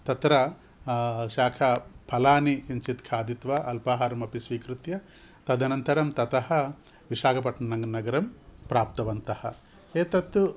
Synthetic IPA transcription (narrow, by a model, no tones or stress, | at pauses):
t̪ɐt̪ɾɐ | ʃaːkʰɐpʰɐlaːniiɲt͡ʃit̪kʰaːd̪it̪ʋaʔɐlpaːɦaɾɐmɐpisʋiːkɾut̪jɐ | t̪ɐd̪ʱɐnɐnt̪ɐɾɐmt̪ɐt̪ɐhɐ̆ | ʋiʃaːkʰɐpɐʈnɐnɐnɐɡɐɾɐmpɾaːpt̪ɐʋɐnt̪ɐhɐ̰ | eːt̪ɐt̪ːu